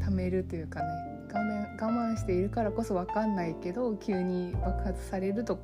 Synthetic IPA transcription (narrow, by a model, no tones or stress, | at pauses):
t̪ame̞ɾɯ̟t̪o̞jɯ̟ːkane̞ | ɡaaɡamãɰ̃ɕi̥t̪e̞iɾɯ̟kaɾako̞so̞β̞akanːaike̞d̪o̞kʲɨːɲ̟ibakɯ̟hat͡sɨ̥saɾe̞ɾɯ̟t̪o̞